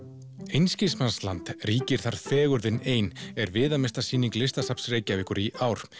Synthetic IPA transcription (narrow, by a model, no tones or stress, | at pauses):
ejnscismansla̰nt̪riːcɪɾ̥θaɾ̥fɛːɣʏɾðɪneːjnɛɾvɪːðamɪst̪asiːniŋklɪst̪asapsreːjcavɪhkʏɾiʔaːwɾ̥